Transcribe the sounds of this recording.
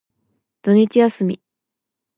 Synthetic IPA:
d̪̥o̞ɲ̟it͡ɕijasɨmʲḭ

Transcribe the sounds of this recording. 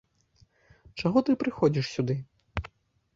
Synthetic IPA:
t͡ʂaɣɔt̪ɨpɾɨxɔd͡zʲiʂsʲud̪ɨ

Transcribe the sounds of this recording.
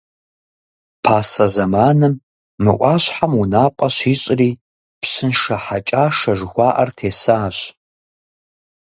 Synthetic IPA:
pʰaːsɐzɐmaːnɨmː | ɨʔʷʼɑːɕħamunaːqʷʼɐɕiːɕʼriː | psɨnʂɐħat͡ʃʼaːʂɐʒxʷɑːʔɐrtʰeːsaːɕ

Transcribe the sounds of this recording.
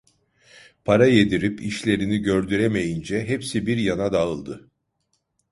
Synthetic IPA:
pʰaɾaje̞d̪iɾipiʃlʲe̞ɾiniɟø̞ɾd̪yɾeme̞jind͡ʒɛɦepsibiɾjanad̪aɯlˠd̪ɯ

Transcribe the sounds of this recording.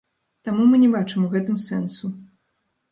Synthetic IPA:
t̪amumɨnʲɛbat͡ʂɨmuɣɛt̪ɨmsɛnsu

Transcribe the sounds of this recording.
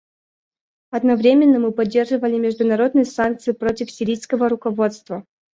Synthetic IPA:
ɐd̪nɐvɾʲemʲɪnːəmɨpɐdʲːe̞rʐɨvəlʲɪmʲɪʐd̪ʊnɐɾo̞d̪̚nɨjəsank̚t̪sɨjɪpɾo̞tʲɪfsʲɪɾʲijskəvəɾʊkɐvo̞t̪st̪və

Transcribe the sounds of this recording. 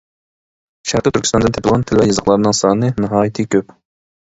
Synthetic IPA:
ʃæɾqət̪ʰyɾkʲʰsɑnd̪ɨnt̪ʰepʰɪlˠʁɑnt̪ʰɪlvɛjɑzəχlˠɑɾɨnɨŋsɑːnɨnɨɦɑːjit̪ʰɨkʲʰøp

